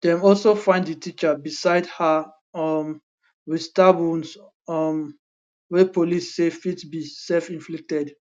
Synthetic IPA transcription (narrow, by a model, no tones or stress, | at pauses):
dɛ̃mɔlsofãɪ̃nddətʰit͡ʃabisaɪdha | ɔm | widtabũns | am | wɛpolisːefitsbisɛlfĩnflik̚tɛd